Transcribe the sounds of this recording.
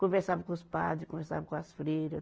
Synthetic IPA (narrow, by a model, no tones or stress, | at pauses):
kõveɾsavɐkõuspa̰d̪ikõveɾsa̰vɐkõɐsfɾeɾɐ